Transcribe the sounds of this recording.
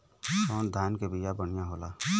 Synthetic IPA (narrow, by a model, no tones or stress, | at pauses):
ɔːnd̪ʱaːnkebijabəɽɪjãɦoːlaː